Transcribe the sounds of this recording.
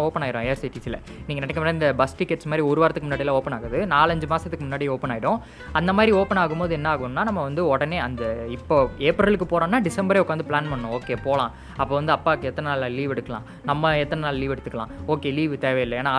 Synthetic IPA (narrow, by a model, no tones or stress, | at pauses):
oːpɐnaːɣɪɾõːejɐɾsiʈiːsɪlɐ̰ | niːŋɡɐnɐnɛkːɐmɐnːɐɪnd̪ɐbɐsʈɪkːɛʈːsmaːd̪ɾiɔɾɯʋaːɾɐt̪ːɯkːɯmnːaːɽɪlãoːpɐnaːɣɐðɯnaːlɐɲd͡ʒɯmaːsɐt̪ːɯkːɯmʊnːaːɽioːpɐnaːjɪɽʊ̃ | ɐnd̪ɐmaːd̪ɾioːpɐnaːɣɯmpoːðɯɛnːɐaːɣɐʋmnːaːnɐmːɐʋɐnd̪ɯɔɽɐneːɐnd̪ɐɪpːoːeːpɾɐlɯkːɯpoːɾãːnːaːɖɪsɛmbɐɾeːʊkːaːnd̪ɯpɭaːnpɐɳːʊ̃oːkːeːpoːlãː | ɐpːoːʋɐnd̪ɯɐpːaːkːɯɛt̪ːɐnɐnaːlaliːʋɛɽɯkːɐlã̰ː | nɐmːɐɛt̪ːɐnɐnaːlliːʋɛɽɯt̪ːɯkːɐɭã̰ːoːkːeːliːʋɯt̪eːʋɛɪlːɐeːnaː